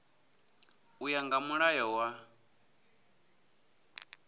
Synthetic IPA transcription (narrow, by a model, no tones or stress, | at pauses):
ujaŋɡamuɺajɔwa